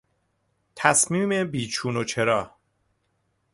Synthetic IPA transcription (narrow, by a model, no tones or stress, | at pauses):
t̪ʰæsmiːme̞biːt͡ʃʰuːno̞t͡ʃʰe̞ɾɒː